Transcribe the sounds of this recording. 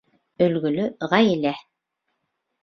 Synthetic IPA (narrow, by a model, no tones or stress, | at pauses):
ɵ̆lɡɵ̆lɵʁɑjɘlæ